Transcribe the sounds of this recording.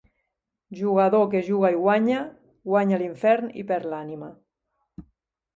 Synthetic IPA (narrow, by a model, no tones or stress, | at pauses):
ʒuɣaðokeʒuɣaiɣwaɲa | ɣwaɲaliɱfɛɾnḭpeɾlanima